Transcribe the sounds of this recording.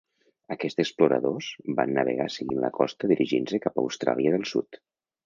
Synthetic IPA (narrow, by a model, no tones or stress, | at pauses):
əkɛst̪əkspluɾə̰ðoz̥ba̰nːəβ̞ə̰ɣasəɣinləkɔst̪əðiɾʔiʒinsəkapə̰wst̪ɾa̰lˠjiəðəlˠsṵt̪